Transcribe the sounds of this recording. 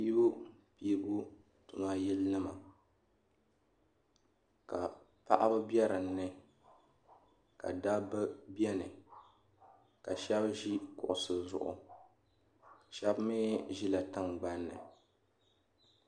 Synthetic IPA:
i˦bo˦pi˦bʊ˦ | tʊ˨ma˦jɛ˦lnɨ˦ma˨ | ka˨ | pa˦˨ʔa˦bɨ˦bjɛ˦ɾɨ˨n̩ː˦ɨ˦ | ka̰˨da˦bɨ˦bi˦ɛ˦nɨ˨ | ka˨ʃɛ˦bʒi˦kʊ̰˨ʔʊ˨sɨ˨zʊ̰˨ʔʊ̰˨ | ʃɛ˦bmɪː˦ʒi˦la˨tɨ˦ŋɡ͡ba˦nːɨ̰˨

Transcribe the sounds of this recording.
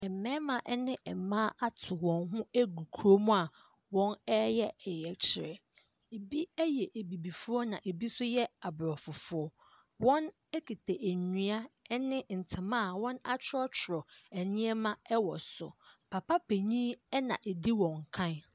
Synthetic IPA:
ɛ˨mɛ̃ː˦mã˨ʔɛ˦nɪ̃˦ʔɛ˨mã˦ʔa˦tʰʊ˨wɔ̃˨nɦʊ̃˦æ˦ɡu˨kʰu˨ɾo˦mũ˦a˨ | wɔ̃˦nɛ˦jɛ˦ɛ˨jɛ˨t͡ɕʰɪ˨ɾɛ˨ | e˨bi˦ɛ˦jɛ˨ʔe˨bi˨bi˨fʊ˦ɔ˦nã˨ʔe˨bi˦sʊ˦jɛ˦a˨bɾɔ˨fʊ˨fʊ˦ɔ˦ | wɔ̃˦n | æ˦kʰi˨tʰe˨ʔæ˨ɲũ˨a˦nɪ̃˦n̩˨tʰɪ̃˨mã˦˨wɔ̃˦na˦t͡ɕʰɾɔ˦t͡ɕʰʊ˨ɾɔ˨ɛ˨nɪ̃˦ɛ˦mã˦ɛ˦wɔ̰˨sʊ̰˨pʰa˨pa˦pʰe˨ɲĩ˦ɛ˦nã̰˨ʔe˨di˦wɔ̃˨ŋ˨kʰã˦n

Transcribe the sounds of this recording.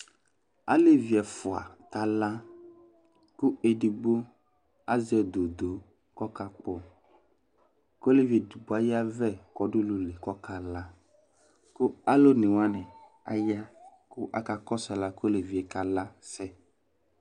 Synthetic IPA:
a̰˦le˦vi˨ɛ˨fʊ˨a̰˨ka˨la˦ | kʊ˦e˨di˨ɡ͡bo˦ | a˦zɛ˨d̪o˨d̪o˨ | kɔ˦ka˦k͡pɔ˨ | kle˦vi˨e˨di˨ɡ͡bo˦a˦ja˦vɛ˦˨kɔ˨dʊ˦lu˨le˨kɔ˦ka˨la˦ | kʊ˦a˦lo˦nɪ̃˨wa˦nɛ˨ | a˨ja˦kʊ˦ʔa˦ka˨kɔ˦sɛ˨la˦ko˦le˨vi˨ɛ˨ka˨la˦sɛ˦

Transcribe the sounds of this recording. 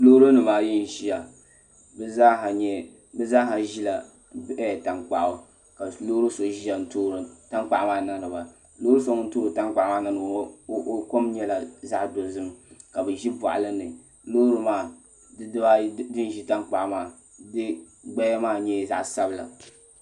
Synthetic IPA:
lo˦ɾo˦nɨ˨maː˨ji˦n̩˨ʒi˦ja˨ | bɛ˦za˦ɦa˨ɲɛ˦ | bɛ˦zaː˦ɦa˨ʒi˦la˨ | bɛ˦˨ta˨ŋk͡pa̰˨ʔo˨ | ka˨lo˦ɾɨ˦so˨ʒi˦ja˨n̩˨toː˦ɾɨ˨ta˦ŋk͡pa˨ʔmaː˦˨na˦ɾɨ˨ba˨ | loː˦ɾɨ˦so˨ŋ˦n̩˦toː˦ɾɨ˨ta˦ŋk͡pa˨˦maː˦˨na˦nɨ˨˦ko˦mɲɛ˦la˨za˦ʔdo˨zɨ˦mka˨bɨ˨ʒi˦bɔ̰˨ʔa̰˨lɨ˦nɨ˨ | loː˦ɾɨ˦maː˦˨˦ | ba˦dɨ˦n˦ʒi˦ta˦ŋk͡pa˨ʔmaː˦˨ | dɨ˦ | ɡ͡bɛ˦ja˦maː˦˨ɲɛ˦˨za̰˦ʔsa˦bɨ˨la̰˨

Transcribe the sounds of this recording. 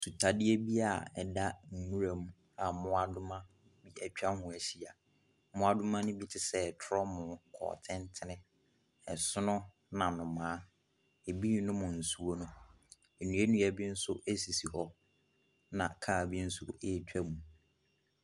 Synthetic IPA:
tʰu˨tʰa˨dɪ˦e˦bi˦a˨ɛ̰˨da˦n̩˨nũ˦ɾa˨m˦ | a˨mʊ̃˦a˨dʊ˦mã˦ | bi˦ɛ˨t͡ɕᶣa˦hʊ̃˨æ˨ɕi˨a˨ | mʊ̃˦a˨dʊ̃˦mã˦nʊ̃˦bi˦tʰɪ˨sɛ˦˨tʰɔ˦mʊ̃˨kʰɔ̰ː˨tʰɪ̃˦ntʰɪ˦nɪ̃˦ | ɛ˨sʊ˦nʊ̃˦ | nã˨nʊ̃˨mãː˨˦ | e˨bi˦˨˦nʊ̃˦mʊ̃˨n̩˨su˦o˦nʊ̃˦ | e˨nũ˨˦e˦nũ˦ɛ˦bi˦n̩˦sʊ˦ʔe˦si˨si˨hɔ˨ | nã˨kʰaː˦˨bi˦n̩˦sʊ˦e˦˨t͡ɕᶣæ˦mũ˨

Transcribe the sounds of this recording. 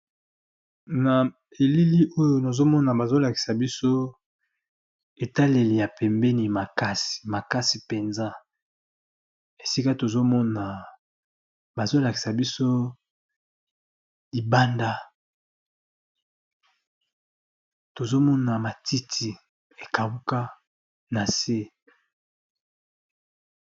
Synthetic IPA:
na˨ | e˨li˦li˦ʔo˦jo˨na˨zo˦mɔ˦na˨ba˨zo˦la˨ki̥˨sa˨bi˦so˦ | e˨ta˦le˨li˨ja˨pɛ˨mbɛ˦ni˨ma˨ka˦si̥˨ma˨ka˦si˨pe˨nza˦ | e˨si˦ka˦to˨zo˦mɔ˦na˨ | ba˨zo˦la˨ki̥˨sa˨bi˦so˦ | li˨ba˦nda˦ | to˨zo˦mɔ˦na˨ma˨ti˦tʰi˨ | e˨ka˨wu˦ka˦ | na˨se˦

